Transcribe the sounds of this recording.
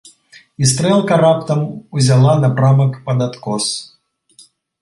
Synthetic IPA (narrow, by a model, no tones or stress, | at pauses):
ist̪ɾɛlˠkɐɾapt̪ɐmuzʲalˠanɐpɾamɐkpɐd̪at̪kɔs